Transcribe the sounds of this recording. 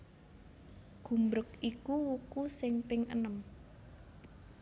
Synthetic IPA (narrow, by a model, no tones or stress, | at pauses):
ɡ̥ṳmbɾʊkikuwukusɪŋpɪŋʔə̰nəm